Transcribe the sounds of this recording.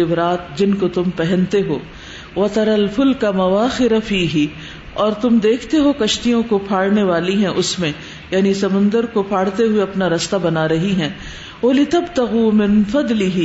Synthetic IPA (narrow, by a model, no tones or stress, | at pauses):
ɪbɾaːt̪d͡ʒɪnkot̪ʊmpɛɦɛ̃nt̪eɦoː | ʋɐt̪ɐɾɐlfʊlkɐmɐʋaːxɪɾafiːɦɪ | ɔːɾt̪ʊmd̪eːkʰt̪eɦokɐʃt̪ijõkopʰaːɽneʋaːliɦɛ̃ʔʊsmẽ | jaːnisɐmʊ̃nd̪əɾkopʰaːɽt̪eɦʊeɐpnaɾɐst̪abɐnaɾɐɦiɦɛ̃ː | wɐlɪt̪ɐbt̪ɐɣuːmɪ̃nfɐd̪lɪɦi